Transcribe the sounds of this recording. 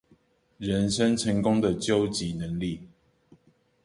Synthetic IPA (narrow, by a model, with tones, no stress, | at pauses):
ɻə˨˦nʂə˦nʈ͡ʂʰə˨˦ŋkʊ˦ŋd̪ə˨t͡ɕjo˦ʊt͡ɕi˨˦nə˨˦ŋli˥˨